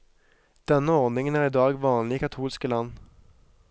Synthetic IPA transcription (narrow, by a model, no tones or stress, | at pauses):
d̪̥ɛnːəɔʁnɪŋənæʁɪd̪ɑːɡʋɑːnlɪkʰɑt̪ʰuːlskəlɑnː